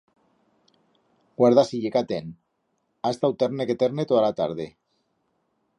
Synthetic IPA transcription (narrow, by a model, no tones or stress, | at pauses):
ɡwaɾðasiʎekat̪en | ast̪awt̪eɾneket̪eɾnet̪oalat̪a̰ɾð̞e